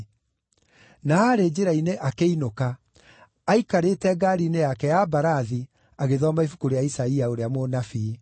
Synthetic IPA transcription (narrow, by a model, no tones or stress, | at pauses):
naaɾed͡ʑeɾaineʔakeinokaː | ikaɾetɛɡaɾinejakɛjabaɾaði | aɣeðɔmaifukoɾejaisaiaoɾeamonafiː